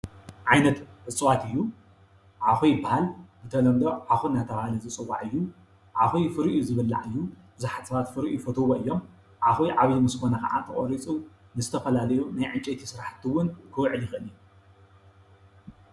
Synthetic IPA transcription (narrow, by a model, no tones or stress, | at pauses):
ʕajnɐt̪ħɨt͡sʼɨwat̪ɨjːu | ʕaxujbahalbɨt̪ʰɐlɐmd̪oʕaxunːajt̪ʰɐβahalizɨt͡sʼɨwːa̰ʕɨjːu | ʕaxujfɨɾʔizɨβɨlːa̰ʕɨjːubɨzaħat̪sɐβat̪fɨɾʔifɐt̪ʰoβoʔɨjːo̞m | ʕaxujʕaβjimɨskʰonɐkʰɐ̰ʔa̰t̪ʰɐχʼoɾit͡sʼu | nɨzɨt̪ʰɐfɐlalɐjunajʕɨnt͡ʃʼet̪ʰisɨɾaħt̪ʰːiwʊnkʰɨwʕɨljɪxɨʔɨnij